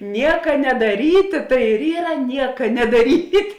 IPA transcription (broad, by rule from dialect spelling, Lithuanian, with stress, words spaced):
ˈnʲiɛkɐ nʲɛdɐˈrʲiːtʲeː tɐɪ ɪr ˈiːrɐ ˈnʲiɛkɐ nʲɛdɐˈrʲiːtʲ